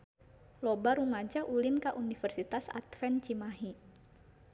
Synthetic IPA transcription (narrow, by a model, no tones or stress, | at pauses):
lɔbaɾumad͡ʒaʔulinkaʔunifərsit̪asa̰t̪fɛnt͡ʃimaɦi